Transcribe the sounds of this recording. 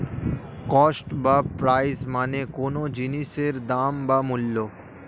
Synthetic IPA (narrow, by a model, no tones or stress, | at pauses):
kɔːsʈbapɾaːɪzmaːnẽkoːnõd͡ʒiniseɾd̪aːmbamʊlːo